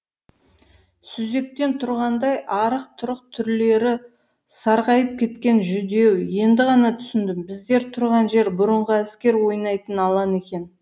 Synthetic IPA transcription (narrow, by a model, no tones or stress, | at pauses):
sʏze̞k̚t̪e̞nt̪ʰʊɾʁɑnd̪ɑjʔɑɾəq̚t̪ʰʊɾəqt̪ʰʏɾle̞ɾɪ | sɑɾqɑjəp̚kʲʰe̞t̪kʲe̞nʒʏd̪e̞wje̞nd̪ɪʁɑnɑt̪ʰʏ̥sɪnd̪ɪmbɪzd̪e̞ɾt̪ʰʊɾʁɑnʒe̞ɾbʊɾəɴʁəæskʲe̞ɾwo̞jnɑjt̪ənɑlˠɑne̞kʲe̞n